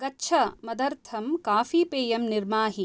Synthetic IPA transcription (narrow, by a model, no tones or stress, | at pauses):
kɐtːʃʰɐmɐd̪ɐɾt̪ʰɐmkaːfiːpeːjɐmniɾmaːɦi